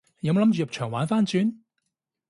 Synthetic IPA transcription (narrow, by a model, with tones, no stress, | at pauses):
jmo˧lmt͡ʃy˨jɐ˨p̚t͡ʃʰœː˨˩ŋwaː˨˥nfaː˥nt͡ʃyː˨˧n